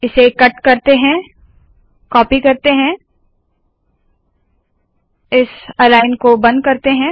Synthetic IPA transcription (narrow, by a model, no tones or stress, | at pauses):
ɪsekɐʈkɐɾt̪eɦɛ̃ | kɔːpikɐɾt̪eɦɛ̃ | ɪsɐlaːɪnkobɐ̃nd̪̚kɐɾt̪eɦɛ̃